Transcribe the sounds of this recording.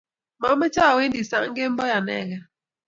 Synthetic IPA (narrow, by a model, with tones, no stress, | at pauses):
ma˨˦me˦t͡ʃa˦˨we˦n˦di˨sa˦ŋ̩˦ɡe˦m̩˦bɔ˦ja˨nɛ̰˦˨ɣɛ˦